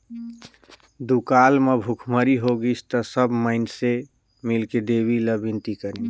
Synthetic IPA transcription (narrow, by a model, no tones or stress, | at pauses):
d̪ukalmebʱukʰməɾiɦoɡit͡ʃʰt̪ɔsəbməɪnse | milked̪ebiləbint̪ikəɾi